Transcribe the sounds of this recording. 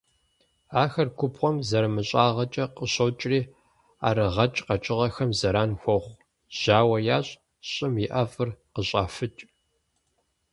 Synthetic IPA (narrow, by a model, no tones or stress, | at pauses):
aːxɐrkʷʰʊpʰχʷɔmzɐɾɨmɨɕʼaːʁɐt͡ʃʼɐqəɕɐwt͡ʃʼriː | a̰ːɾɨʁɐt͡ʃʼqɐt͡ʃʼɪʁɐxɐmzɐɾaːnxʷɔχʷ | ʒ̥aːwɐjaːɕʼ | ɕʼɪmjɪʔɐfʼɨrqəɕʼaːfɨt͡ʃʼ